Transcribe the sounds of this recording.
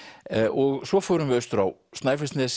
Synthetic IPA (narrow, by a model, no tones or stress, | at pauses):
ʔɔɣsɔfɔɾʏnvɪœɥst̪ʏɾawst̪najfɪst̪nɛs